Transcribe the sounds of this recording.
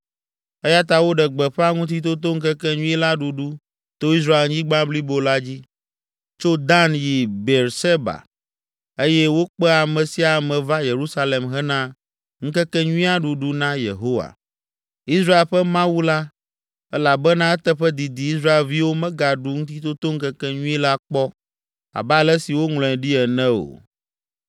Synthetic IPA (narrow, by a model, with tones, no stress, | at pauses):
ɛ˦ja˦t̪a˦wo˦ɖɛ˨ɡ͡bɛ˨ɸɛ˦a˦ŋũ˦t̪̬i˦t̪̬o˦t̪̬o˦ŋ̩˦kɛ˦kɛ˦ɲũ˦ɛ˦la˦ɖu˨ɖu˦ | t̪o˦i˦s̬ɾa˦e˨lɲĩ˦ɡ͡bã˦bli˦bo˨la˦d͡ʑi˦ | t͡ʃo˦d̪ã˦nji˨be˨ɾse˦ba̰˨ | e˦jɛ˦wo˦k͡pɛ˦a˨mɛ̃˨si˦a˨mɛ̃˨va˦je˨ɾu˦sa˦le˨mɦɛ˦nã˦ | ŋ̩˦kɛ˦kɛ˦ɲũ˦ĩ˦a˦ɖu˨ɖu˦nã˦je˨ɦo˦wa̰˨ | i˦sɾa˦e˨lɸɛ˦mã˦wu˦la˦ | ɛ˦la˨bɛ˦nã˦ɛ˦t̪ɛ˦ɸɛ˦d̪i˨d̪i˨i˦s̬ɾa˦e˨lvi˦wo˦mɛ̃˦ɡa˨ɖu˦ŋũ˦t̪i˦t̪o˦t̪o˦ŋ̩˦kɛ˦kɛ˦ɲũ˦i˦la˦k͡pɔ˦ | a̰˨ba˦˨lɛ˦si˨wo˦ŋlɔ̃˨ɛ̃˨ɖi˦ɛ˨nɛ̃˦o̰˨